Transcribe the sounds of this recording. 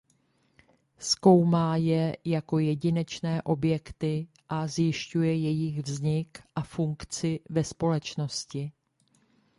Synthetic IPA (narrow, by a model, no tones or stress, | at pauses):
sko̞wmaːjɛjako̞jɛɟɪnɛt͡ʃnɛːʔo̞bjɛkt̪ɪ | ʔazjɪʃcujɛjɛjɪɣvzɲɪkʔafuŋkt͡sɪvɛspo̞lɛt͡ʃno̞scɪ